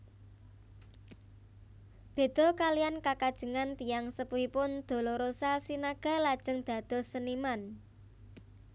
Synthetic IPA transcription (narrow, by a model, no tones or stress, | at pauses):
b̥e̤d̪̥ɔ̤kalijankakad̥ʒ̥ə̤ŋant̪ijaŋsəpuipʊnd̪̥o̤loɾosasinaɡ̥a̤lad̥ʒ̥ə̤ŋd̪̥ä̤d̪̥ɔ̤səniman